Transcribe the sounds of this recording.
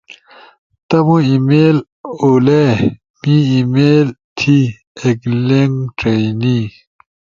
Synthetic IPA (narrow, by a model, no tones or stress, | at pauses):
t̪ɐmũimeːl | ole | miimeːlt̪ʰi | ekleŋʈ͡ʂeini